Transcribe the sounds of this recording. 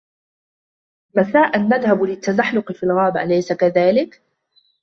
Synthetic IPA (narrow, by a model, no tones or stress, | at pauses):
masaːʔanːaðhablɪt̪ːazaħlʊqɨfiːlɣaːbaʔlajsakaðaːlɪk